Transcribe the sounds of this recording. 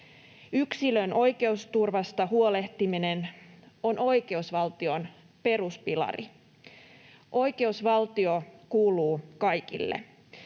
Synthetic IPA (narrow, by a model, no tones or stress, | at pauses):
yksilønʔo̞jke̞ust̪urʋɑst̪ɑɦuo̞le̞ht̪imine̞no̞no̞jke̞usʋɑlt̪io̞n | pe̞ruspilɑ̰rḭ | ʔo̞jke̞usʋɑlt̪io̞kuːluːkɑjkḭlːḛ